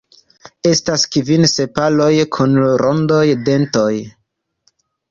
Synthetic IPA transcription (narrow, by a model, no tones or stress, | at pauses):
e̞staskivinse̞palo̞jkʰunɾʔondo̞jde̞nto̞j